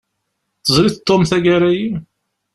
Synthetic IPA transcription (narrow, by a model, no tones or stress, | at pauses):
θəzˤɾiθt̪ˤːomθæɡæɾæji